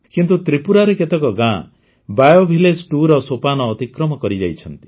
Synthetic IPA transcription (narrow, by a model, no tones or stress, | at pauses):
kint̪ut̪ɾipuɾaɾeket̪ɔkɔɡã | bajobʱiled͡ʒʈuɾɔsopanɔːt̪ikɾɔmɔkɔɾid͡ʒa̰jt͡ʃʰɔnt̪i̥